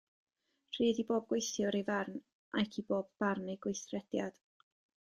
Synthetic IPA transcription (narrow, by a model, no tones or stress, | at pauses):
r̥ʰiːðiboːb̚ɡ̥wejθjʊɾevarn | ʔajkʰiboːbːarneɡwejθrɛd̥jad̥